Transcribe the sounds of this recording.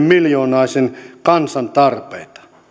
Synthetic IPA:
mmiljoːnɑˑisenkɑnsɑnt̪ɑrpḛit̪ɑ̥

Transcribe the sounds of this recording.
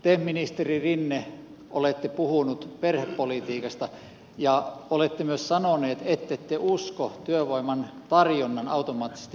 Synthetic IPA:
t̪eminist̪eririnːe | ʔolet̪ːepuhunut̪perhepːolit̪iːkɑst̪ɑ | jɑolet̪ːemyøssɑnoneːt̪et̪ːet̪ːeuskot̪yøʋoˑimˑɑnt̪ɑrjonːɑnɑut̪omɑːt̪ːˑise̥st̪i

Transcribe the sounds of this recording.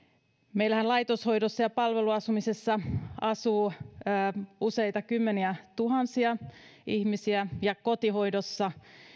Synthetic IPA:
meilæhænlɑjt̪oshojdosːɑjɑpɑlʋeluɑsumisesːɑɑsuː | use̞jt̪ɑkymːeniæt̪uɦɑnsiɑihmisiæjɑkot̪iɦo̞jdosːɑ

